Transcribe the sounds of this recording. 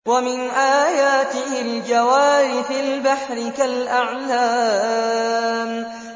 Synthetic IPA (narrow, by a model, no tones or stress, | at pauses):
wamɪnʔaːjaːt̪ɪhɪld͡ʒawaːɾɪfɪlbaħɾɪkalʔaʕlaː | m